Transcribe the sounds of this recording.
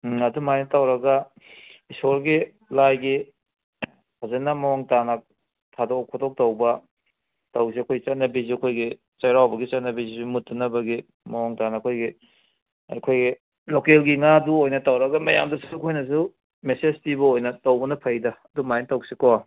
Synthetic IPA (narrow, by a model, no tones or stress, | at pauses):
ɐdumajnɐtawɾɐɡɐ | isoɾɡi | lajɡi | azenɐmɐwoŋtanɐk | tʰadɔkʰɔdok̚tawbɐ | taws̬iɐkʰojt͡ʃatnɐbiziɐkʰojɡi | t͡ʃajɾawbɐɡit͡ʃatnɐbizizimutːɐnɐbɐɡi | mɐɔŋtanɐːkʰojɡi | ɐ̰jkʰojɡi | lokelɡiŋaduojnɐtawɾɐɡɐmɐja̰mdɐsuɐkʰojnɐs̬u | mesezpibɐojnɐtawbɐnɐpʰɐjdɐɐdumajnɐtawsiko